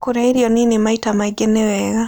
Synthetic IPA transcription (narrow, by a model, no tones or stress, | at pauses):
kuɾaiɾjɔninimaitamaiɡenewɛɣa